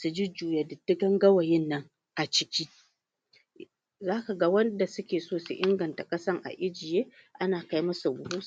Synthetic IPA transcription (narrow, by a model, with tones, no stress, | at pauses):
su˨d͡ʒi˦d͡ʒuː˨ja˨dɪ˨tːɪ˦ɡɐ˦ŋɡɐ˦wɐ˨jɪ˦nːɐ˦ŋ | ʔa˨t͡ʃɪ˦kʲi˦ | zaː˦ka˨ɡɐ˦wɐ˦nda˨sʊ˦kʲeː˨soː˦sṵ˨ʔɪ˦ŋɡɐ˨nta˨kʼɐ˦sɐ˦ŋʔa̰˨ʔɪ˦d͡ʒɪ˨jeː˦ʔa˦naː˨ka˦jmɐ˦su˨bʷʊ˦hu˦˨